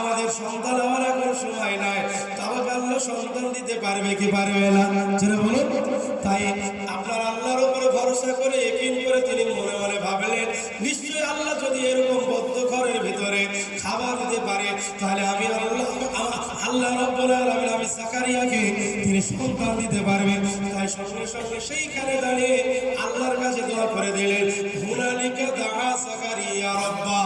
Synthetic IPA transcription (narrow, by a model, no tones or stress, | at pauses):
amad̪eɾʃɔŋd̪ʱanamaɾɛkonʃumajnae | t̪abakalːoʃɔŋd̪ʱand̪it̪epaɾibekipaɾibeelad͡ʒeɾabɔle | t̪aj | apnaɾalːaɾopoɾebʱɔɾoʃakoɾeekinkoɾet̪inibonebolebʱabelen | biʃoealːad͡ʒod̪iejɾɔkombɔd̪ʱːoɡʱɔɾeɾbʱit̪oɾekʰabanit̪epaɾe | t̪aɦeleamia | alːaɾɔbːonaɾameamisakaɾiaɡet̪inispɔnt̪ʰand̪it̪epaɾbent̪ajʃɔmneʃɔmːeʃejkʰaned̪aɽealːaɾkat͡ɕʰed̪eakoɾed̪elenbʱunalikeɾd̪aɽasakaɾiaɾɔbːa